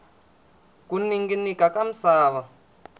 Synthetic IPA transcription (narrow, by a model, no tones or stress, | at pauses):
kuniŋɡinikakam̩saːβa